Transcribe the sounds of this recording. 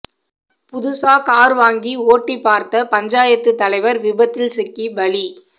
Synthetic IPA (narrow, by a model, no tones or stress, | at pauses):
pʊðʊsaːkaːɾʋaːŋɡioːʈːipːaːɾt̪ɐpɐɲd͡ʒaːjɐt̪ːɯt̪ːɐlɐɪʋɐɾʋɪbɐt̪ːɪlsɪkːibɐɭi